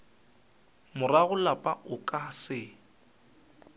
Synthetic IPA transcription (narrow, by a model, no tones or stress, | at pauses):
mʊraɣʊlapʼaʊkʼasɪ